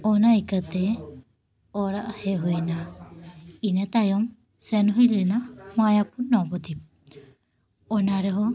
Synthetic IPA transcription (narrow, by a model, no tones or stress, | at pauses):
ɔnaikat̪ɛ | ɔɾaʔheɦujna | inet̪ajɔm | senuɦijlinamajapunɔpɔt̪ip̚ | ɔnaɾeɦɔ